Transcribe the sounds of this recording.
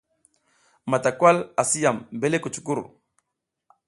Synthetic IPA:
ma˨ta˨kwa˦la˨si˦ja˨mbe˦le˦ku˨t͡ʃu̥˨ku˦ɾ

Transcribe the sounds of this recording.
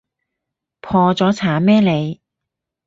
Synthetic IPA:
pʰɔː˧t͡sɔː˨˥t͡sʰaː˨˥mɛː˥le˨˧j

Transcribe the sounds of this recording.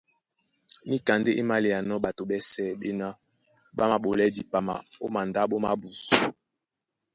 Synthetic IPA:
ni˦ka˨nde˦ʔe˦ma˦le˨ja˨nɔ˦ɓa˨to˨ɓɛ˦sɛ˦˨ɓe˦na˦ | ɓa˦ma˨ɓo˨lɛ˦di˨pa˨ma̰˨o˦ma˨nda˦ɓo˦ma˦bu˨su˨

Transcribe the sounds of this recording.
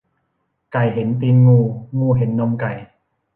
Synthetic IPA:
ka˨˩jɦe˩˦nt̪iː˧nŋuː˧˩ŋuː˧ɦe˩˦nːɔ˧˩mka˨˩j

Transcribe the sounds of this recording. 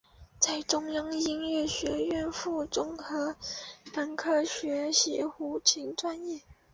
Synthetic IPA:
t͡sa˥˩ɪʈ͡ʂʊ˥ŋjɑ˥ŋi˥nɥɛ˥˩ɕɥɛ˧˥ɥɛ˥˧nfu˥˩ʈ͡ʂʊ˥ŋxɤ˧˥pə˧˥nkʰɤ˥˩ɕɥɛ˧˥ɕjɛ̰˧˥xu˧˥t͡ɕʰi˧˥ŋʈ͡ʂwa˥˧njɛ˥˩

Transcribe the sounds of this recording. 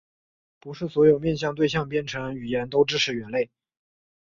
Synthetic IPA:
pu˧˥ʂɻ̩˥˩swɔ˧˥jo˨˩ʊmjɛ˥˧nɕ̬jɑ˥˧ŋt̪we˥˧ɪɕ̬jɑ˥˧ŋp̬jɛ˥˩nʈ͡ʂʰɤ˧˥ŋy˨˩jɛ˧˥nt̪o˥ʊʈ͡ʂɻ̩˥˧ʈ͡ʂʰɻ̩˧˥ɥɛ˧˥nle˥˩ɪ

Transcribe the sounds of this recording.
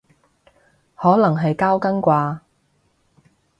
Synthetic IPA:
hɔː˨˥lɐ˨˩ŋɦɐ˨jkaː˥wkɐ˥ŋkʷaː˧

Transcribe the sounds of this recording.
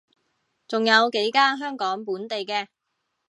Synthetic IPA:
t͡sʊ˨ŋjɐ˨˧wke˨˥jkaː˥nɦœː˥ŋkɔː˨˥ŋpuː˨˥nt̪e˨jkɛː˧

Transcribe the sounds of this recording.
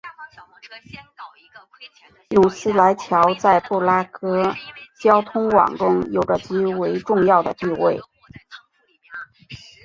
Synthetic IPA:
jʊ˥˩ŋsɹ̩˥la˧˥ɪt͡ɕʰjɑ˧˥ʊt͡sa˥˧ɪpu˥˩la˥kɤ˥t͡ɕjɑ˥ʊt̪ʰʊ˥ŋwɑ̰˨˩ŋʈ͡ʂʊ˥ŋjo˨˩ʊʈ͡ʂə˦t͡ɕi˧˥we˧˥ɪʈ͡ʂʊ˥˧ŋjɑ˥˩ʊd̪ə̰˩t̪i˥˧we˥˩ɪ

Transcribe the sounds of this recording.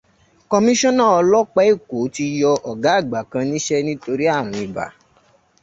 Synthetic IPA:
kɔ˧mĩ˦ʃɔ̃˦nã˦˨ɔ˧lɔ˦k͡pɛ˦i˦˨ko˨˦ti˧jɔ˧ʔɔ˨ɡa˨˦˨ɡ͡ba˨kã˧nĩ˦ʃɛ˦nĩ˦to˧ɾi˦a˦˨ɾ̃ũ˨i˨ba̰˨˦

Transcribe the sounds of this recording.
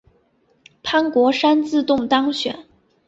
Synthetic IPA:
pʰa˥nkwɔ˧˥ʂa˥nt͡sɹ̩˥˧t̪ʊ˥˩ŋt̪ɑ˥ŋɕɥɛ̰˨˩˦n

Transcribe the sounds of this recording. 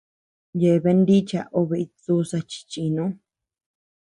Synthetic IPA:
je˨˧βe˧˦nd̪i˦t͡ʃa̰˧ʔo˧βe˧i˧t͡su˦sa˧t͡ʃi̥˧t͡ʃi˧nũ˦

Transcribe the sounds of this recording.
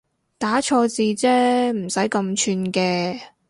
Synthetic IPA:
t̪aː˨˥t͡ʃʰɔː˧t͡siː˧t͡sɛː˥m̩˨˩sɐ˨˥jkɐ˧mt͡ʃʰyː˧nkɛː˧

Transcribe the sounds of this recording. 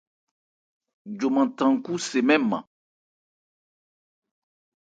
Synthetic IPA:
d͡ʒo˨mã˨tã˨ŋ˨ku˦se˨mɛ̃˦mã̰˨

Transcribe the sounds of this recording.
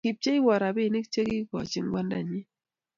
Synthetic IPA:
kɪ˨p̚t͡ʃe˦i˦wɔ˨ɾa˨bɪ˦˨ni˦k̚t͡ʃe˦ki˦kɔ̰˨t͡ʃɪ˨ŋɡwa˦nda̰˨ɲɪ˦

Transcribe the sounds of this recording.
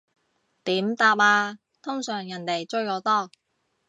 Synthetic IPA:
t̪iː˨˥mt̪aː˧p̚aː˧ | t̪ʰʊ˥ŋsœː˨˩ŋjɐ˨˩nt̪e˨˩jt͡sɵ˥ɥkɔː˨˥t̪ɔː˥˩

